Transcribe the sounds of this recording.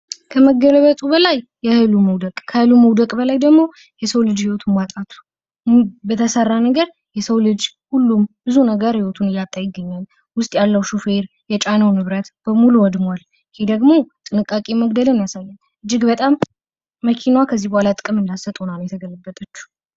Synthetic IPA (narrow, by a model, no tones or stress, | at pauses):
kʰəməɡələβət̪ʼubəlajːɛhɨluməwd̪əkʼkʰəhɨluməwd̪əkʼbəlajd̪əɡmo̞ | jɛsəwlɨd͡ʒhiwot̪ʰunwat̪ʼat̪ʰu̥ | bət̪ʰəsərːanəɡəɾ | jɛsəwlɨd͡ʒ | hulːumbɨzunəɡəɾhiwot̪ʰunɪlat̪ʼːajɪɡːəɲːal | wʊst̪ʼjalːəwʃufeɾ | jɛt͡ʃʼanəwnɨβɾət̪b̥əmuluwɔd̪mwal | hed̪əɡmo̞t̪ʼɨnɨkʼːakʼiməɡd̪əlɨnjasajːɛn | ʔɨd͡ʒːɪɡbət̪ʼamː | əkʰinwakʰəzːihbəhalat̪ʼɨkʼɨmɨnd̪asət̪ʼonanwjɛt̪ʰəɡələbːət̪ʼət͡ʃːu̥